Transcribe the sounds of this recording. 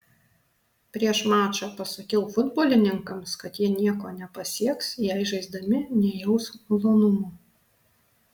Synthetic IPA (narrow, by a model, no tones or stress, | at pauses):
pʲɾʲiɛʃmɑːt͡ʃʲoːpɐsɐkʲɛʊfʊd̪boːlʲɪnʲɪŋkɐmskɐt̪jiɛnʲiɛkoːnʲɛpɐsʲiɛksjɛɪɪʒɐɪzd̪ɐmʲɪnʲɛjɛʊsmlˠoːnʊmuː